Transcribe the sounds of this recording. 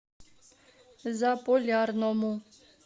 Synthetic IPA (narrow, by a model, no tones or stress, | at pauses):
zapʼɔlarnɔmu